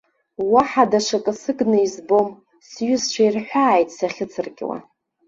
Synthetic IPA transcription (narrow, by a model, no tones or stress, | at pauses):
waħadaʂakʼɨsɨɡnɨizbo̞m | sɥʊst͡ʃʷʰairħʷᶣaːjtʼsaχʲɪt͡sʰɨrkʲʼwa̰